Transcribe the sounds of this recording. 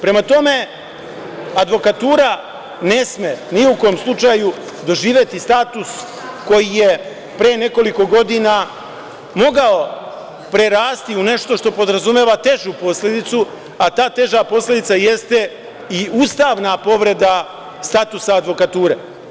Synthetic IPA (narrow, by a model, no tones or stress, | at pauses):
pɾe̞mat̪o̞me̞ | ad̪ʋo̞kat̪uːɾa | ne̞smeniukojomslˠut͡ʃaju | d̪o̞ʒiːʋje̞t̪ist̪aːt̪us | ko̞jije̞ | pɾeːne̞ko̞liko̞ɡo̞d̪ina | mo̞ɡao̞ | pɾe̞ɾaːst̪iune̞ʃt̪o̞ʃt̪o̞po̞d̪ɾazumjeʋat̪e̞ʒupo̞slʲed̪it̪su | at̪aːt̪e̞ʒapo̞slʲe̞d̪it̪saje̞st̪e̞ | iust̪aʋnapo̞ʋɾe̞d̪a | st̪at̪usaːd̪ʋo̞kat̪uːɾe